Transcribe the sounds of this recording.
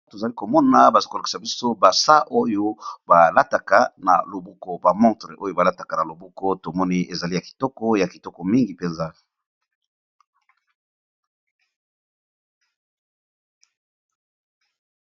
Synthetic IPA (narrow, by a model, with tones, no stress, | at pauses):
to˨za˨li˦ko˨mɔ˦na˦ba˨zi̥˦ko˨lki̥˨sa˨bi˦so˦ba˨sa˦ʔo˦jo˦ba˨la˦ta˨ka˦na̰˨lo˨bu˦kɔ˦ba˨mɔ̃˦tʁe˨ʔo˦jo˦ba˨la˦ta˨ka˨na˨lo˨bu˦kɔ˦to˨mɔ˦ni˦e˨za˨li˦ja˨ki̥˨tɔ˦kɔ˦ja˨ki˨tɔ˦kɔ˨mi˦ŋɡi˨pe˨nza˦